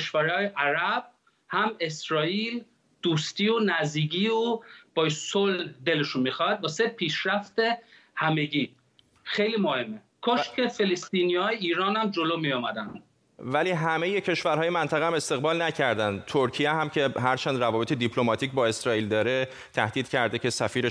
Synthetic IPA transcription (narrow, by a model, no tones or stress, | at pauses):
eʃvæɾhɒːjeʔæɾæb̥̚ | hæme̞sɾɒːiːl | d̪̥uːst̪iːonæzd̪iːɟiːob̥ɒːjsold̪eleʃunmixɒhæd̪̚bɒːse̞pʰiːʃɾæft̪e̞ | hæme̞ɟiː | xejliːmohe̞mːekʰoʃcʰe̞felest̪iːnijɒːjeiːɾɒːnæmd͡ʒoloːmijomæd̪ænd̪ | væliːɦæme̞je̞cʰe̞ʃvæɾɦɒːjemænt̪ʰæɣehæmest̪e̞ɣbɒːlnæcʰæɾd̪ænd̪t̪ʰoɾcʰijeɦæmcʰe̞ɦæɾt͡ʃʰænd̪ɾævɒːbet̪ed̪ipʰlomɒːt̪ʰiːcbɒːe̞sɾɒːiːld̪ɒːɾe | t̪ʰæhd̪iːd̪cʰæɾd̪ecʰe̞sæfiːɾe